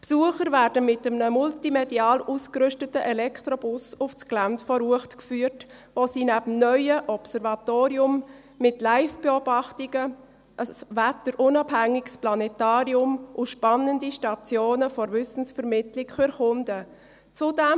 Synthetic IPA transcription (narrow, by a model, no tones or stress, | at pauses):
psuəχəɾvæːɾdəmɪtəmnəmʊltimɛdiɑːluskɾʏʃtətəʔɛlɛkʰtɾɔbʊsʊft͡sklæntfɔɾuəχtkfyːərtʋosiːnæbəm̩nœʏəʔɔpsɛɾvɑt̪oːɾiʊmː | ɪtlæɪfb̥eobɑχtiɡ̥ə | ʔəsvætəɾʔʊnɑbhæŋːɪɡsplɑnɛtɑːɾiʊmʔʊʃpɑnəndiʃtɑt͡sjoːnəfɔɾvʏsn̩sfəɾmɪtlɪkfyɾχʊndə | t͡sʊdɛm